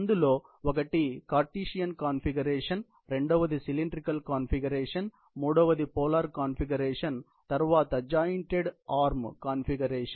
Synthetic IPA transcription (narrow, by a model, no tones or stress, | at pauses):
ɐnd̪ɯloː | ʋɐɣɐʈːikaːɾʈːiːʂɪjɐnkaːnfɪɡɐɾeːʂɐn | ɾɛɳɖoːʋɐðɯsɪlɪɳɖɾɪkɐlkaːnfɪɡɐɾeːʂɐn | muːɽoːʋɐðɯpoːlaːɾkaːnfɪɡɐɾeːʂɐn | t̪ɐɾʋaːt̪ɐd͡ʒaːjɪɳʈeɽaːɾmkaːnfɪɡɐɾeːʂɐn